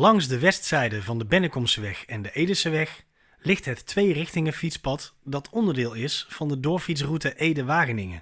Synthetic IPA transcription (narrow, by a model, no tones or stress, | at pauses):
lɑŋzdəʋɛstsɛjdəvɑndəbɪnəkɔmsəʋɛχɛndəʔejdəlsəʋɛχ | lɪχtɦətʋejrɪxtɪŋəfitspɑtdɑtʰɔndəɹdɪːlˠɪsfɑndədʊːɹfits̬rutəʔejdəʋaːɣənɪŋə̰